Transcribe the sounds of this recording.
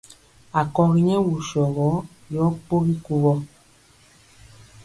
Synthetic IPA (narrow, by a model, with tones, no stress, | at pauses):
a˨kɔ˨ɣi˨ɲɛ˦wu˨ʃɔ˨ɣɔ˨˦ | jɔ˨˦k͡po˦ɣi˦ku˦ɣɔ˦